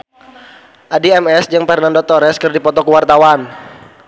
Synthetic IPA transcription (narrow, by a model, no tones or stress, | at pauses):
ʔadiɛmɛsd͡ʒaŋfɛrnandot̪ɔɾɛskərdipɔt̪ɔkəwart̪awan